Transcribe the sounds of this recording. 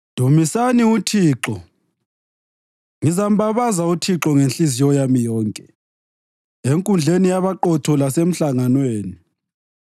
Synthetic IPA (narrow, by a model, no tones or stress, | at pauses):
d̥ʱumisaniutʰiːǁɔ | ŋizam̩baβazautʰiǁɔŋenɬizijɔjamijɔːŋkʼɛ | eŋkʼund͡ɮʱenijaβaǃɔtʰɔlasem̩ɬaŋanweːni